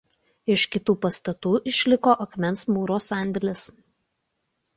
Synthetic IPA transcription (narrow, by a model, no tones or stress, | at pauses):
ɪʃkʲɪt̪uːpɐst̪ɐt̪uːʔɪʃʲlʲɪkoːʔɐkmʲɛnsmuːɾoːsɑˑnʲd̪ʲɛlʲɪs